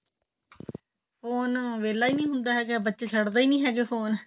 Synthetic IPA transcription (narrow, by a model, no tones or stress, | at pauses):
foːnʋeːlaːiːnĩːɦʊ̃nd̪aːɦɛːɡebətːʃeːt͡ʃʰəɽd̪aːiːnĩːɦɛːɡeːfʰoːn